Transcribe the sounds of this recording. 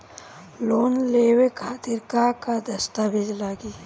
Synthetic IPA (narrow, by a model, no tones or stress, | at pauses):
loːnleːwekʰaːt̪iɾkaːkad̪ɐst̪abʱid͡ʒlaːɡi